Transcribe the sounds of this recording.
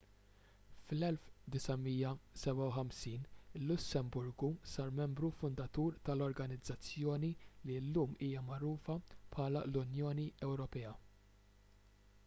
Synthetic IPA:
flɛlfd̪ɪsɐmiːjɐsɛbɐwħɐmsiːnɪlːʊsːɛmbʊɾɡusɐːɾmɛmbɾufʊnd̪ɐt̪uːɾt̪ɐlɔɾɡɐnɪd͡zːɐt͡sːjɔːnililːuːmiːjɐmɐɾuːfɐpʰħɐːlɐ̰lʊnjɔːniʔɛwɾɔpɛːɐ

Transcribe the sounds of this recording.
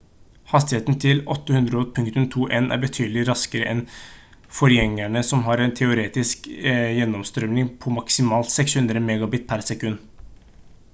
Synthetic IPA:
hɑst̪ɪheːt̪nt̪ʰɪlɔt̪ːəhʉnd̪ɾəɔːt̪̚pʰʉŋk̚t̪ʉmt̪ʰuːʔeːnʔæ̰ɾbət̪ʰyːd̪əlɪɾɑskəɾəʔɛn | fɔɾjɛŋːæɳəsɔmɦɑɾɛnt̪ʰɛʊɾeːt̪ɪskjɛnːɔmst̪ɾœmnɪŋpʰɔmɑksɪmɑːlt̪sɛkshʉnd̪ɾəmeːɡɑbɪt̪̚pʰæɾsɛkʉnː

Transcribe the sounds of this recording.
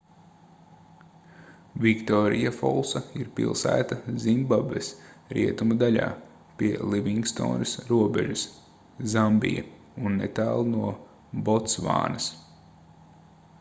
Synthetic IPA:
vʲikt̪ɔːɾijafɔ̰lˠsaiɾpḭlˠsæ̰ːt̪azimbabvesɾiɛt̪umud̪alʲa̰ː | pʲiɛlˠiʋʲiŋɡst̪o̰ːnɪsɾuɔbeʒus | zambḭja̰ | unːḛt̪æːlˠnuɔ | bɔt̪sʋa̰ːnɐs

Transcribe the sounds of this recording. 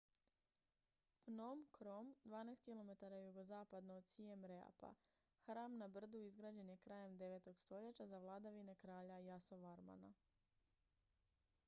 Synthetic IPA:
fnomkɾomd̪ʋaːnajst̪̚kilo̞me̞t̪aɾajuɡo̞zaːpad̪noːd̪siemɾea̰pa̰ | xɾaːmnabr̩d̪uizɡɾaːd͡ʑe̞nje̞kɾaːje̞md̪e̞ʋet̪o̞ɡst̪o̞ʎet͡ɕazaʋlˠad̪aʋine̞kɾaːʎajasoʋaɾma̰na̰

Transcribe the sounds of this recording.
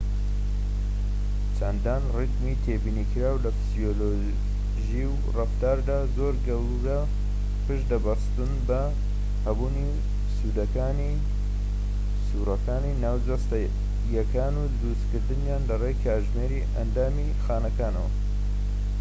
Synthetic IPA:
t͡ʃʰand̪aːnrɨɡmit̪ʰebiːnikʰɨɾaːwlɐfɨz̥iolo | ʒiw | rɨft̪aːɾd̪aːzoːɾɡɐw | ɾɐ | pɨʃd̪ɐbɐɾst̪unbɐ | hɐbuːni | suːd̪ɐkaːni | suːɾɐkaːninaːwd͡ʒɐst̪ɐ | jɐkaːnud̪ɨɾust̪kɨɾd̪ɨnjaːnlɐrejkʰaːɾʒmeːɾiʔɐnd̪aːmi | xaːnɐkaːnɐ̰wɐ̰

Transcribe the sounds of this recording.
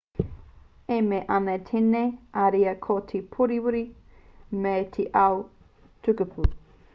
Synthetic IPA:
emeʔɐnɐt̪ʰeneʔaɾiɐkʰotʰipʰuɾiwuɾi | metʰiʔaw | tʰukəpʰu

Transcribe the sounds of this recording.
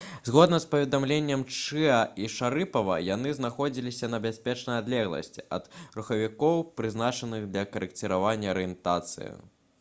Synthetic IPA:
zɣɔd̪nɐspɐvʲɛd̪amlʲenʲːɛmt͡ʂɨɐiʂaɾɨpɐvɐ̰jan̪ɨznaxɔd͡zʲilʲisʲɐnɐbʲasʲpʲɛt͡ʂnɐjad̪lʲɛɣlˠɐ̰sʲt͡sʲiɐ̰d̪̥ɾuxɐvʲikɔwpɾɨznat͡ʂɐnɨɣd̪lʲɐkɐɾɛkt͡sʲɛɾavanʲːɐɐɾɨjɛnt̪at̪sɨ̰jḭ

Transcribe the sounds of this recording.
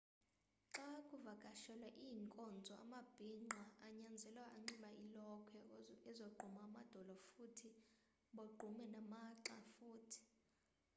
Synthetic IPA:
ǁakʼuvakʼaʃɛlwaʔijːŋkʼɔnd͡zʱɔa̰mab̥ʱiŋ͡ǃʱwaːɲand͡zʱɛlwaʔaŋ͡ǀiɓaʔilɔkʰɛɛzoɡ͡ǃʱumaːmad̥ʱɔlɔfutʰi | ɓoɡ͡ǃʱumɛnamaǁafuːtʰi̥

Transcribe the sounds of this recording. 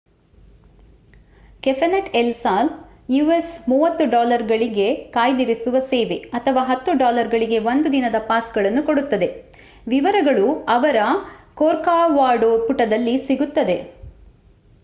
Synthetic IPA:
kefɐnɐʈelsaːl | juːesmuːʋɐt̪ːuɖaːlɐɾɡɐɭiɡe̞kaːjd̪iɾisuʋɐseːʋe̞ɐt̪ʰɐʋaːɦɐt̪ːuɖaːlɐɾɡɐɭiɡe̞ʋo̞nd̪ud̪inɐd̪ɐpaːsɡɐɭɐnːukoɽut̪ːɐd̪e̞ | ʋiʋɐɾɐɡɐɭuɐʋɐɾɐkoːɾkaːʋaːɾɖopuʈɐd̪ɐlːisiɡut̪ːɐd̪e̞

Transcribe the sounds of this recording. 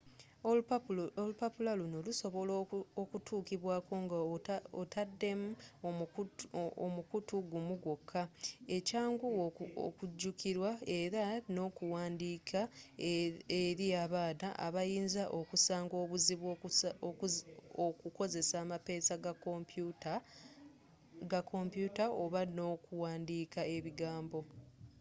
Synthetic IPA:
olupapulalunoluso̞βo̞lookutʰuːkiβwaːko̞ːŋɡaotadːe̞mu | omukutuɡumuɡwo̞kʰːae̞caːŋɡuo̰kuɟːukiɾwae̞ɾano̞ːkuwaːndiːkʰa | eɾiaβaːnaʔa̰βajiːnzaʔokusaːŋɡo̞ːβuziβwo | okuko̞ze̞saːmape̞ːsaɡap | ɡakʰo̞mpjutao̞βano̞ːkuwaːndiːkae̞βiɡaːmbo̞

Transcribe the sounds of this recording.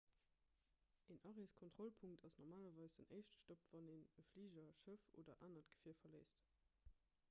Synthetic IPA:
ʔeːnʔɑʁeskʰontʁ̥olpʰuŋk̚tɑsnɔʁmaːlɐvɑɪsd̥ənəɪʃtə̥ʃtopvɑneːnəfliːʒɐʃəfo̰ːdɐ̰ʔaːnɐtɡ̥ə̥fiːɐfɐləɪst

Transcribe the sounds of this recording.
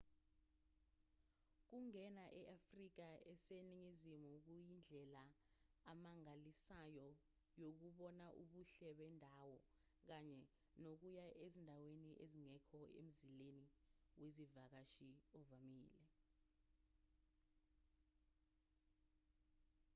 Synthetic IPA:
k̬uŋɛnaʔɛʔafrik̬aɛseniŋizimuk̬ujind͡ɮʱɛlaː | maŋalisajɔ | jok̬uɓɔnaʔuɓuɬɛɓɛndʱawɔ | k̬aɲɛ | nok̬ujaʔezindʱaweniʔeziŋɛkʰɔḛm̩zileniwezivak̬aʃiɔvamiːlɛ

